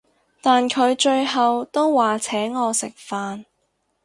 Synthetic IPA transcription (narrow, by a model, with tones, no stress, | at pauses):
t̪aː˨nkʰɵ˨˧ɥt͡ʃɵ˧ɥɦɐ˨wt̪o˥wːaː˨t͡sʰɛː˨˥ŋːɔː˨˧sɪ˨k̚faː˧n